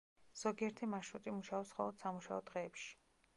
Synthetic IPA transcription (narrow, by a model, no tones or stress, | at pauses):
z̥ɔɡiɛɾt̪ʰimaʃut̪ʼimuʃaɔpsχɔlˠɔd̪̥samuʃa̰ɔd̪̥ʁɛːpʃi̥